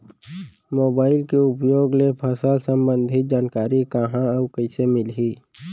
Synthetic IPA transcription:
moːbaːɪlkeʊpjoːɡlepʰəsalsə̃mbə̃nd̪ʱɪt̪̚d͡ʒaːnkaːɾikaɦãəʊkəɪsemɪlɦiː

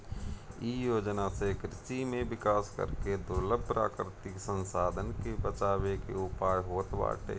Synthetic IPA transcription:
ijoːd͡ʒnasekɾɪʃimẽʋɪkaːskə̰ɾked̪ʊɾləbpɾa̰ːkɾɪt̪ɪksə̃nsaːd̪ʱənkebət͡ʃaːwekḛʊpaːjɦoːt̪ba̰ːʈḛː

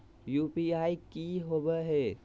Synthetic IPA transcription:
jupiaikiɦobɛɦɛ

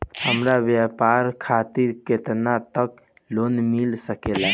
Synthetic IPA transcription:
həmɾabjapaɾkʰat̪iɾket̪nat̪ək̚ | lonmilsəkela

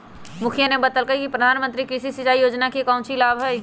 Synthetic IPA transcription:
mʊkʰjənebət̪əlkəikipɾəd̪ʱaːnmə̃nt̪ɾikɾiʃisɪt͡ʃaːijoːd͡ʒnakikãːʊ̃t͡ʃʰilaːbɦɛj

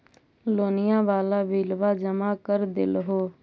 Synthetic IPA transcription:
loːnɪjãːʋaːlaːʋiːlʋaːd͡ʒəmaːkəɾd̪ɪ̰lɦoː

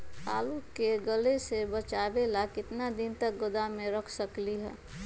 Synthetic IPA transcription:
t̪a̰ːlukeɡəlesebət͡ʃaːbelakɪt̪nad̪ɪnt̪ək̚ɡʊd̪amẽɾəkʰsəkliɦɛ̰ː

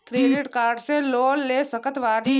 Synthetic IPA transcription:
kɾeɖiʈkaːɾɖselolːesəkət̪ʋaɽi

